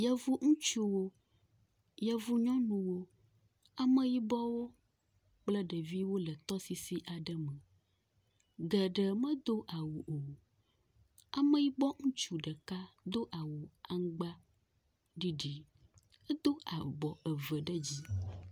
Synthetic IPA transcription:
jɛ˦vu˦ŋũ˦t͡ʃu˦wo˦ | jɛ˦vu˦ɲɔ̃˦nũ˨wo˦ | a˨mə̃˦ji˦bɔ˦wo˦ | k͡plə˦ɖə˨vi˦wo˦lə˨t̪ɔ˦si˨si˦ʔa˨ɖə˦mə̃˨ | ɡɛ˨ɖə˨mə̃˦d̪o˦ʔa˨wu˨ʔo˨ | a˨mə̃˦ji˦bɔ˦ŋũ˦t͡ʃu˦ɖə˨ka˦d̪o˦ʔa˨wu˨a˦ŋ˦ɡ͡ba˦ | ɖi˦ɖi˨ | ɛ˦d̪o˦a˨bɔ˨ə˨və˨ɖə˦d͡ʑi˦

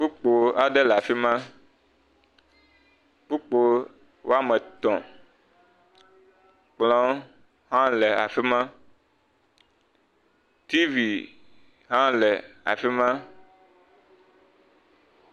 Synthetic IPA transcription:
k͡pu˦k͡po˨a˨ɖɛ˦lɛ˨a˨fi˦mã˦ | k͡pu˦k͡po˨ | wo˦a˦mɛ̃˨t̪ɔ̃˨ | k͡plɔ̃˦ | ɦã˦lɛ˨a˨fi˦mã˦ | t̪i˦vi˨ | ɦã˦lɛ˨a̰˨fi˦mã˦

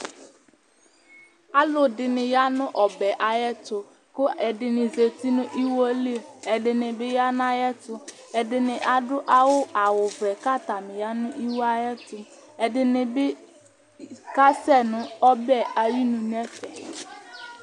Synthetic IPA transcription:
a˦lʊ˦dɪ˨nɪ˨ja˦nʊ̃˦ʔɔ˨bɛ˨ʔa˨jɛ˦tʊ˨ | kʊ˦ɛ˨dɪ˨nɪ˨ze˨ti˦nʊ̃˦ʔi˦wo˦li˦˨ɛ˨dɪ˨nɪ˨bɪ˦ja˦n˦a˦jɛ˦tʊ˦ | ɛ˨dɪ˦nɪ˨ʔa˨dʊ˦ʔa˦wʊ˦ʔa˨wʊ˨vɛ˨ka˦˨ta˨mɪ˨ja˦nʊ̃˦ʔi˦wo˦a˦jɛ˦tʊ˦ | ɛ˨dɪ˦nɪ˨bɪ˦ | ka˦sɛ˦˨nʊ̃˨ɔ˦bɛ˦˨a˨ji˦nʊ̃˨n˦ɛ˦fɛ˨

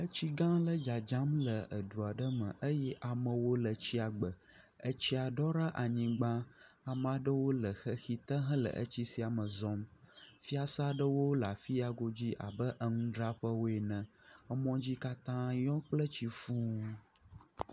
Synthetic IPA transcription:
ə˦t͡ɕi˦ɡã˦lə˦d͡ʒa˨d͡ʒã˦mlə˨ə˨du˨a˨ɖə˦mə̰̃˨ʔə˦jɛ˦ʔa˨mə̃˨wo˦lə˨t͡ɕi˦a˨ɡ͡bə˨ | ə˦t͡ɕi˦a˨ɖɔ˦ɾa˦ʔa˨ɲĩ˨ɡ͡bã˦ | a˨mã˨ɖə˦wo˦lə˨xə˦xi˨t̪ə˦ɦə̃˦lə̰˨ʔə̰˦t͡ɕi˦si˦a˨mə̃˨zɔ̃˦mfi˦a˦sa˦ɖə˦wo˦la˨fi˦a˨ɡo˦d͡ʑi˦ʔa̰˨bə˦ʔə˦ŋũ˦ɖɾa˦ɸə˦wo˦e˨nə̃˨ | ə˦mɔ̃˦d͡ʑi˦ka˦t̪ã˦jɔ̃˦k͡plə˦t͡ɕi˦fũ˦

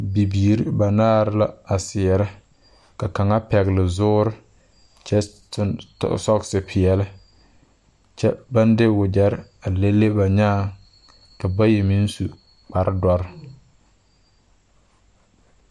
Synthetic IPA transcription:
bi˨biː˨ɾɪ˦ba˨naː˦ɾɪ˦la˦a˨sɪ˨ɛ˨ɾɪ˦ | ka˨ka˨ŋa˦pɛ˨ɣɪ˨lɪ˨zʊː˦ɾɪ˦ | t͡ʃɛ˦tɪ̰˦sɔ˦ksɪ˨pʰɪ˨jɛ˨lɪ˦ | t͡ʃɛ˦ba˦ndɪ˦wʊ˨d͡ʒɛ˨ɾɪ˦a˨le˦lːe˦ba˨ɲaː˦˨ | ka˨ba˦je˨mi˦n˦su˨ | k͡pa˨ɾɪ˦dɔ˦ɾɪ˦

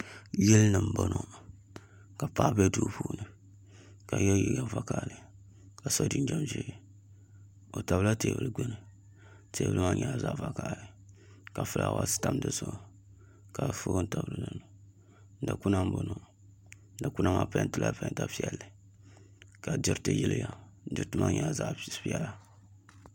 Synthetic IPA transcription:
jɛ˦lnɨ˨m̩˨bo˦no˦ | ka˨pa˨˦˨bɛ˦du˨puː˦nɨ˨ | ka˨ɲɛ˦ji˨ɡa˨va˦ka˦˨lɨ˨ | ka˨so˦dɨ˦n˦d͡ʒɛ˦˨mʒi˦˨ | o˨ta˨βla˦teː˨bɨ˨lɨ˦ɡ͡bɛ˦nɨ˨ | teː˨bɨ̰˦lɨ˦ma˦ɲa˨za˦va˨ka˨lɨ˨ | ka˨fɨ˦lʔa̰˨wa̰˨sta˨m˦dɨ˦zo˦˨ | ka˨fo˦n̩˦ta˨bɨ˨lɨ˨dɨ˦˨nu˨ | n˦da˨ku˦na˦m˦bo˦nu˦˨ | da˨ku˦na˦ma˦pa˦n˦tɨ˦lʔa˦pa˦n˦ta˦pi˦ɛ˨lːɨ˨ | ka˨di˦ɾtɨ˨ji˦lɨ˦ja˨˦ | dɪ˦ɾtɨ˦ma˦ɲa˨za˦pi˦ɛ˨la˨

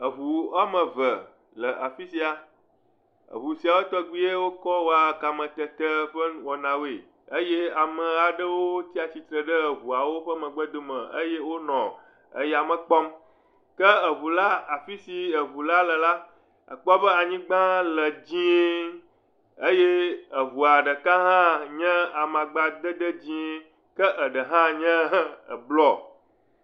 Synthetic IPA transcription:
ə˨βu˨a˦mə̃˨və˨ | lə˨ʔa˨fi˦si˦a˨ | ə̰˨βu˨si˨a˨wo˦t̪ɔ˦ɡ͡bi˦je˦wo˦kɔ˦wo˦a˨ka˨mə̃˨t̪ə˨t̪ə˦ɸə˦n˦wɔ˨nã˨we˨ | ə˦je˦a˨mə̃˨a˨ɖə˦wo˦t̪i˦a˨t͡ɕi˨t̪ɾə˨ɖə˦ə˨βu˨a˨wo˦ɸə˦mə̃˨ɡ͡bə˦d̪o˦mə̃˨ə̰˦je˦wo˦nɔ̃˨ | ə̰˦ja˨mə̃˨k͡pɔ˦m | kə˦ə˨βu˨la˦a˨fi˦si˨ə˨βu˨la˦lə˨la˦ | ə̰˨k͡pɔ˦bə˦a˨ɲĩ˦ɡ͡bã˦lə˨d͡ʑĩ˦ | ə˦je˦ə˨βu˨a˨ɖə˨ka˦ɦã˦ɲɛ̃˦a˨mã˨ɡ͡ba˨d̪ə˦d̪ə˦d͡ʑĩ˦ | kə˦ʔə˨ɖə˨ɦã˦ɲɛ̃˦ə˨blɔ˦

